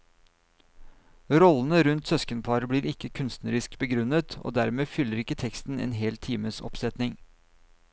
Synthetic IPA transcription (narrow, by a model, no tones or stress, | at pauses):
ɾɔlən̩əɾʉnt̪sœskənpʰɑɾbɽiːɾɪkəkʰʉnst̪nəɾɪskbəɡɾʉnət̪ʰo̰ːd̪æɾmeːfʏləɾɪkːət̪ʰɛkst̪n̩ḛːnɦeːlt̪ʰiːməsɔ̰psɛt̪nɪŋ